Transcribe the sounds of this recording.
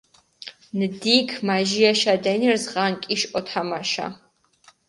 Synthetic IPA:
nd̪ikʰmaʒiaʃad̪ɛniɾzʁaŋkʼiʃʼɔt̪ʰamaʃa̰

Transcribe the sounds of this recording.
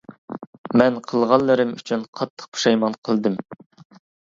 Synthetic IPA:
mɛnqʰəlˠʁɑlˠːɨɾɨmyt͡ʃʰynqʰɑt̪ʰːə̥qpʰu̥ʃɑjmɑnqʰəlˠd̪ɨm

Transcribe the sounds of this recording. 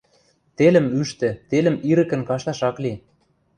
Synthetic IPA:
t̪elə̆myʃt̪ĕt̪elə̆miɾə̆kə̆nkɑʃt̪ɑʃɑkli

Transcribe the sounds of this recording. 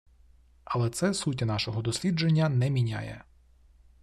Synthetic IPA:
ɐlˠɛt̪sɛsut̬ʲinɑʃɔɦɔd̪ɔsʲlʲid͡ʒenʲːɐnɛmʲinʲa̰jɛ̰

